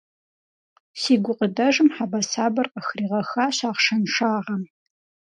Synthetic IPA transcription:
siːɡʷʊqʼədɐʒɨmħabɐsaːbɐrqəxriːʁɐxaːɕaːʁʂɐnʂaːʁɐm

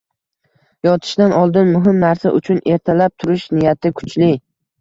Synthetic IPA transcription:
jɒt̪ʰɪ̥ʃd̪anɒlˠd̪ɪnmʊɦɪmnaɾsaʔʊt͡ʃʰʊnʔe̞ɾt̪ʰalap̚t̪ʰʊɾɪʃnɪjat̪ʰɪkʰʊ̥t͡ʃlɪ

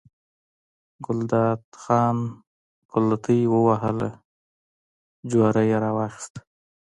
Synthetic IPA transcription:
ɡʊld̪ɑt̪xɑn | kʊlat̪ʰəjwəwaɦəla | d͡ʒwaɾajeɾɑwɑxɪ̥st̪

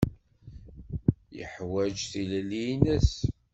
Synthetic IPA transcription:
jə̰ħwæd͡ʒθillinəs

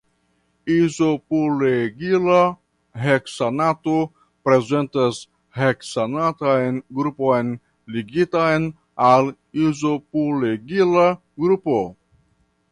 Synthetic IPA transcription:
izo̞poleɡila | ɦeksanato | pɾe̞ze̞ntas | heksanatajnɡɾupo̞jn | liɡitajn | al | izopoleɡila | ɡɾupo

